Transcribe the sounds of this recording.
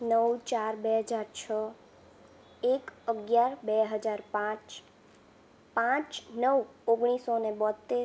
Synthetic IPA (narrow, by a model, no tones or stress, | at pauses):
nəwt͡ʃaɾbeɦəd͡ʒaɾt͡ʃʰə | ekəɡjaɾbeɦəd͡ʒaɾpãt͡ʃ | pãt͡ʃnəwoɡɽ̃isonebɔt̪ːe